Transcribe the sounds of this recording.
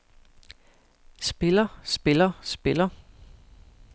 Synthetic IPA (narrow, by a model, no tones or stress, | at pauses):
sb̥e̝lɐsb̥e̝lɐsb̥e̝lɐ